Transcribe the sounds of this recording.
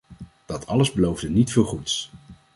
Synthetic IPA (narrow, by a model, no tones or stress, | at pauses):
d̥ɑtʰɑ̰ləzbəlowvdənitfɪːlˠχuts